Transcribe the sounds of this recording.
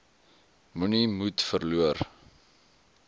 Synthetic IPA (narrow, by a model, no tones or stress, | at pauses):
munimutfərluər